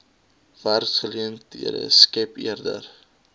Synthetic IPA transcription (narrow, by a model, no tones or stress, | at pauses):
værsχəliəntḭədə̰skɛpḭərdə̰r